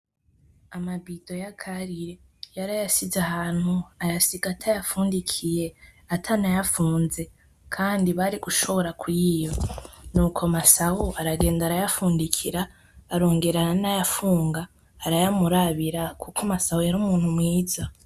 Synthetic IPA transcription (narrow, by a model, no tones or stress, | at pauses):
amabido̞jakʰaɾiɾe | jaɾajasizaɦaːn̥huajasiɡatʰajafuːndikʰije̞ | atʰanajafuːnze̞ | kʰaːndiβaɾiɡ̥uʃo̞βoɾakwijo̞nuːkʰo̞masahuʔaɾaɡe̞ːndaɾajafuːndikʰiɾaː | ɾo̞ːŋɡe̞ɾananajafuːŋɡaː | ɾajamuɾaβiɾakʰukʰomasahujaɾuːmuːnhumŋiːza